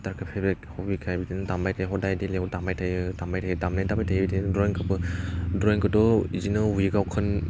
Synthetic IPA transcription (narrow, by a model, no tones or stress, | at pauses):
taɾkʰapʰebek̚hɔbikʰajbidinɯtambajtʰajɦɔdajdilewtamajtʰajɯdambajtʰajdamnajdabajtʰajbidindɾɔjŋkʰapɯdɾɔjŋkɯtɔizinɯujiɡawkʰɯn